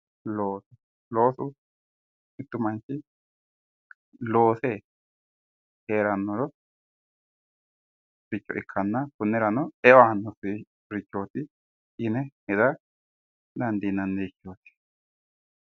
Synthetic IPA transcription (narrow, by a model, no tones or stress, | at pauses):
loːsu | loːsu | it̪ːumant͡ʃi | loːse | heɾanːolo | ɾit͡ʃːo̰ʔikʰːanːakunːeɾanoewanosi | ɾit͡ʃːot̪i | ineed̪a | nand̪inand̪ikjot̪i̥